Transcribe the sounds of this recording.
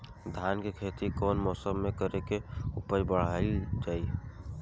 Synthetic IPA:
d̪ʱjaːnkekʰeːt̪ikɔːnmɔːsəmːẽkəɾekeupəɾbəɽ̤aid͡ʒaːi

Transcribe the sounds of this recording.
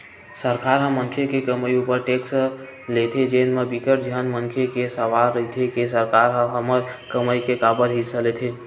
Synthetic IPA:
səɾkaɾɦə̃mːənkʰekekəməjupəɾʈeks | let̪ʰid͡ʒenmebikəʈ̚d͡ʒənməŋkʰekesəʋaɾːəɦit̪ʰikisəɾkaɾɦə̃ɦəməɾkəməjkekabəɾɦisʰəlet̪ʰi

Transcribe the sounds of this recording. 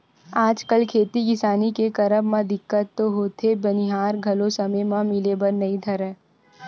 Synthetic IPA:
aːd͡ʒkəlkʰeːt̪iɡɪsaːnikekɐɾəbmãd̪ɪkːət̪ːoɦoːt̪ʰebɐniɦaːɾɡʱɐlosɐməjmãmɪlebɐɾnɐĩd̪ʱɐɾɛ̃ː

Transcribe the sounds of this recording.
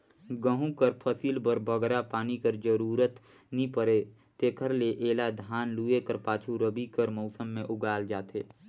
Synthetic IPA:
ɡəɦũkəɾpʰəsiːlbəɾbəɡɾapaːnikəɾd͡ʒəɾuːɾət̪ | nĩpəɾe | t̪eːkʰəɾleʔeːlad̪ʱaːnluːekəɾpaːt͡ʃʰuɾəbikəɾmɔʊsəmːẽʔʊɡaːld͡ʒaːt̪eː

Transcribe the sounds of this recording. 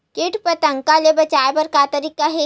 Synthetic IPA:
kɪʈʰpət̪ə̃ŋkalebɐt͡ʃaːepɐɾkat̪ɐɾikːaɦe

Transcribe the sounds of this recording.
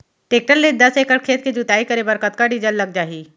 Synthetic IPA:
ʈeːk̚ʈəɾːed̪ɐseːkəɽ̚kʰeːt̪̚kid͡ʒut̪aːikɐɾebɐɾkət̪̚kaɖid͡ʒəlːɐɡ̚d͡ʒaːɦiː

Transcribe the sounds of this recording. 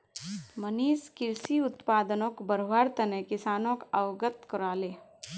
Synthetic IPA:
məniːskɪɾsiʊt̪paːd̪ənõkbəɾʋaːɾt̪ənekɪsaːnõkɐʋɡət̪kɔɾaːleː

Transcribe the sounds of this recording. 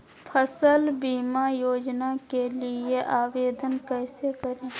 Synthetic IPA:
pʰəsəlbiːmajoːd͡ʒnakelieʔaːʋeːd̪ʱənkɛːsekəɾẽː

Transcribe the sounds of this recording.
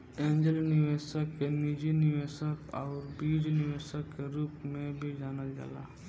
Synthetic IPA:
ẽːɲd͡ʒəlnɪʋeːsəkːenid͡ʒinɪʋeːsəkɔːɾbiːd͡ʒnɪʋeːsəkːeɾuːpmẽbʱid͡ʒaːnad͡ʒa̰ːla̰

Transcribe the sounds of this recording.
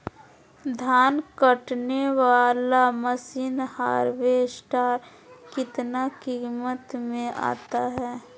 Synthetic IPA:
d̪ʱaːnkəʈneʋaːlaməsiːnhaːɾwesʈaːɾ | kɪt̪nakiːmət̪mẽʔa̰ːt̪aɦɛː

